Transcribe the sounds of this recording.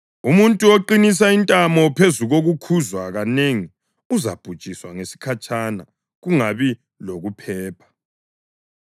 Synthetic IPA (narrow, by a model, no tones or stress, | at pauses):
umuntʼuoǃinis̬aintʼamɔpʰezuɣoɣukʰuzwaɣaneŋi | uza̰b̥ʱud̥t͡ʃʼiswaŋesi̥kʰat͡ʃʼana | ɣuŋaβi | loɣupʰɛːpʰḁ